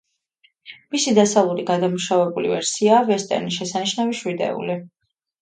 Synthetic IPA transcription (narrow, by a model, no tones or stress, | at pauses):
misid̪asavlˠuɾiɡad̪amuʃavɛbulḭvɛɾsiaːvɛst̪ʼɛ̰ɾniʃ̬ɛsaniʃnaviʃwid̪ɛ̰ṵli